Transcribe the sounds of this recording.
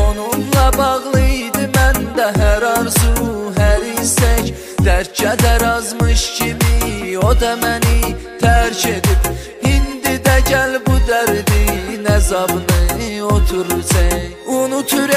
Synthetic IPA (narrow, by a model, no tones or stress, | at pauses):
onumlˠɑbɑʁlˠɯd̪ɯmænd̪æɦæɾɑɾzu | ɦæɾisæc | d̪̥æɾt͡ʃʰæd̪æɾɑzmɯʃcʰimiod̪ɑmæni | t̪ʰæɾcʰe̞d̪ib | ind̪id̪æɟælbud̪æɾd̪inæzɑbɯnɯot̪ʰuɾut͡s̪ʰɛ | unut̪ʰyɾ